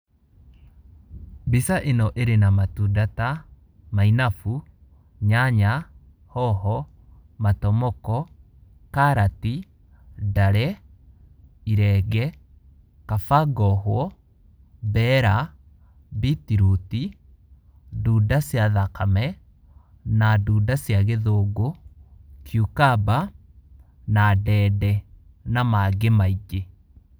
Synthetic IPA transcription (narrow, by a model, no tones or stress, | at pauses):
bisaʔenɔʔeɾenamatudata | mainafu | ɲaɲa | hɔɦɔ | matɔmɔkɔ | kaɾati | daɾɛ | iɾɛɡɛ | kafaɡɔɦwɔ | bɛɾa | bitiɾuti | duːdasjaðakamɛ | naduːdasjaɣeðoːɡo | kʰjukaba | nadɛːdɛ | namaɡemaiɡe